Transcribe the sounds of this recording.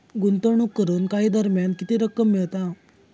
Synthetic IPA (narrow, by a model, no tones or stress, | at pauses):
ɡunt̪əɳ̃uːkːəɾuːnkaɦiːd̪əɾmjankit̪iːɾəkːəmːiɭt̪a